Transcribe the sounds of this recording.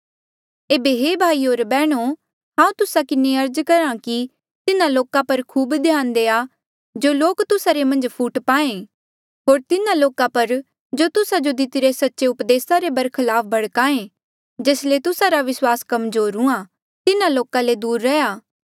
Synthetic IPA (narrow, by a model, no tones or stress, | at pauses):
eːbeɦebʱaːioːɾbɛːɽ̃o | ɦãːũt̪ʊsakɪneɐɾd͡ʒkɐɾãki | t̪ɪnãloːkapɐɾkʰuːbd̪ʱjãːnd̪eːa | d͡ʒoːloːkt̪ʊsaɾemɐ̃nd͡ʒpʰuːʈpaːẽ | ɦoːɾt̪ɪnãloːkapɐɾ | d͡ʒoːt̪ʊsad͡ʒod̪ɪt̪ɪɾesɐtːʃeʊpd̪eːsaɾebɐɾkʰɐlaːp̚ʰbʱɐɽkaːẽ | d͡ʒeːslet̪ʊsaɾaʋɪswaːskɐmzoːɾũã | t̪ɪnãloːkaled̪uːɾːɐjaː